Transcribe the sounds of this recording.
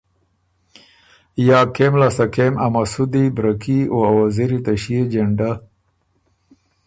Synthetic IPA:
jaːkemlasakemʔamasud̪ibɾɐkioawaziɾit̪aɕijed͡ʒeɳɖa

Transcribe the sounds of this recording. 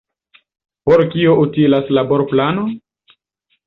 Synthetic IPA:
poɾkioʔutilaslaboɾplano

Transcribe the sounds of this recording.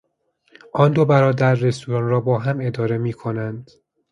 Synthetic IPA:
ʔɒːnd̪obæɾɒːd̪æɾːe̞st̪uːɾɒːnɾɒːbɒːɦæme̞d̪ɒːɾe̞miːkʰo̞nænd̪̥

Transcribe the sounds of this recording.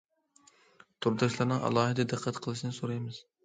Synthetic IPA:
t̪ʰuɾd̪ɑʃlˠɑɾnɨŋʔɑ̰lˠɑːɦɨd̪ɛd̪ɨqʰːæt̪qʰəlˠɨʃnɨsoɾɑjmɨz̥

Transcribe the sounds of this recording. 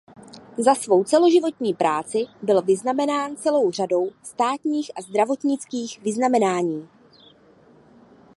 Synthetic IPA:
zasvo̞wt͡sɛlo̞ʒɪvo̞t̪ɲiːpɾʔaːt͡sɪbɪlvɪznamɛnaːnt͡sɛlo̞wr̝ado̞wst̪aːt̪ɲiːxʔazd̪ɾavo̞t̪ɲɪt͡skiːxvɪznamɛnaːɲiː

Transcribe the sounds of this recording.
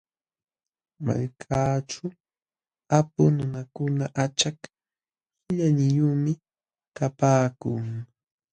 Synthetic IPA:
ma̰ʎkʰat͡ʃʊ | apʊnʊnakʊnaʔat͡ʃak | hɪʎaɲɪjuːmɪ | kapaːkʊŋ

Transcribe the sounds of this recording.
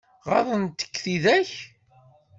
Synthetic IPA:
ʁɑ̰ðˤənt̪ːə̥kːθiðæç

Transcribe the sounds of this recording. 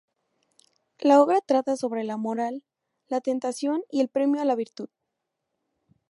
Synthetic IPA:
lao̞βɾat̪ɾat̪aso̞βɾe̞lamo̞ɾalː | at̪e̞nt̪asjo̞nie̞lpɾe̞mjoalaβiɾt̪uð

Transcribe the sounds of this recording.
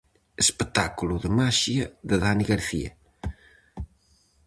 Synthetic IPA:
espət̪akuluðəmaʃiɐðəðaniɣaɾθiɐ̰

